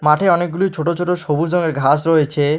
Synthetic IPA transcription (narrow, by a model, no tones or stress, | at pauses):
maʈʰeɔnek̚ɡulijt͡ɕʰoʈot͡ɕʰoʈoʃobud͡ʑɔŋeɾɡʱasɾoet͡ɕʰe